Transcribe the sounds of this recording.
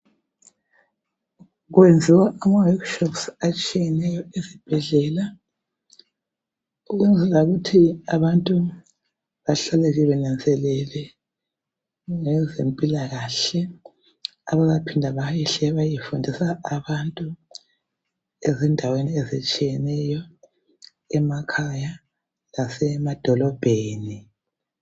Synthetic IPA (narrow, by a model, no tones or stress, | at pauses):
ɣwend͡zʱiwaamawɔkʃɔpsat͡ʃʼijɛnɛjɔezib̥ʱɛɮɛla | uɣwend͡zʱɛlauɣutʰiaβantʼu | βaɬalɛɣiβɛnand͡zʱɛlɛlɛ | ŋɛzempʼilaɣaɬɛ | aβaɣapʰindʱaβajiɬɛβajifundʱisaaβantʼu | ɛzɛndʱaweniɛzɛt͡ʃʼijɛnɛjɔ | ɛmakʰaja | lasɛmad̥ʱɔlɔb̥ʱeːni